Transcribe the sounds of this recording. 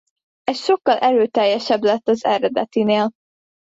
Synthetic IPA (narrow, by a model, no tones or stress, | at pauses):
ɛsʃo̞kːɒlʔɛɾøːt̪ɛjːɛʃɛblɛt̪ːɒzɛɾɛd̪ɛt̪ineːl